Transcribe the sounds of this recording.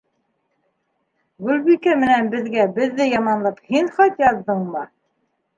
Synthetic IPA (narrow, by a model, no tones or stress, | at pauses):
ɡʉlβikæmɘ̆nænbɘ̆ðɡæbɘ̆ðːɘjɑmɑnlˠɤphinχɑt̪jɑðːɤɴmɤ